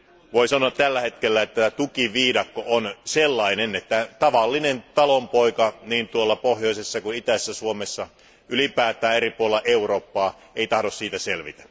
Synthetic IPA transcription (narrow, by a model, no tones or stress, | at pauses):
ʋoisɑnoɑt̪t̪ælːæhet̪kelːæet̪ːæt̪ukiʋiːdɑkːoʔonselːɑinenet̪ːæt̪ɑʋɑlːinent̪ɑlompoikɑniːnt̪uolːɑpohjoisesːɑkunit̪æsːæsuomesːɑ | ylipæːt̪ˑæːeripuolelːɑʔeuroːpːɑː | eit̪ɑhdossiːt̪æselʋḭt̪æ̥